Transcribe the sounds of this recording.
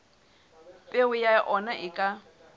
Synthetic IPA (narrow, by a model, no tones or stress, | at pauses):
pʼeʊjaʔɔnaʔɪkʼa